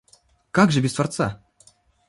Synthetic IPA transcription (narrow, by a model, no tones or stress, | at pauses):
kaɡʐɨbʲɪst̪vart̪sa̰